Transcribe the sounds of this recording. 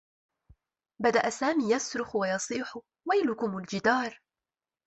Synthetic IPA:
bad̪aʔasaːmiːjasɾʊxwajɑsˤiːħʊ | wajlʊkʊmʊld͡ʒɪd̪ɑːɾˤ

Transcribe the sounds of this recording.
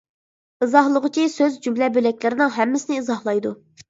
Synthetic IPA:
ɨzɑhlˠəʁʊt͡ʃʰisøzd͡ʒymlɛbølɛkʲlɪɾɪnɪŋɦɛmːɪsɪnɪizɑhlˠɑjd̪u

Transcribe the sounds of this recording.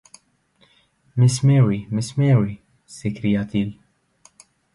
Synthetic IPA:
mɪsmɛːwimɪsmɛːwi | sɛkɾiːjɐt̪iːl

